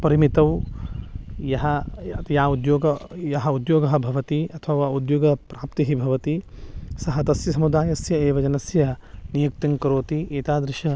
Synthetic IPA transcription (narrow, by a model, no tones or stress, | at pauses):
pɐɾimit̪ɐw | jɐɦɐt̪jaːud̪joːɡɐjɐɦɐud̪joːɡɐɦɐ̆bʱɐʋɐt̪iɐt̪ʰɐʋaːud̪joːɡɐpɾaːp̚t̪iɦibʱɐʋɐt̪isɐɦɐt̪ɐsjɐsɐmud̪aːjɐsjɐeːʋɐd͡ʒɐnɐsjɐnijukt̪ɐŋkɐɾoːt̪ieːt̪aːd̪ɾɪʃɐ